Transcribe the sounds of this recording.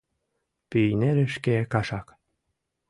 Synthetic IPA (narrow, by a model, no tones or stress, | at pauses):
pyjneɾĕʃkekɑʃɑk